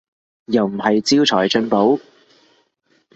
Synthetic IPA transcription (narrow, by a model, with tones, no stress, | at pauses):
jɐ˨wm̩˨˩hɐ˨jt͡siː˥wt͡sʰɔː˨˩jt͡ʃɵ˧˥npo˨˥w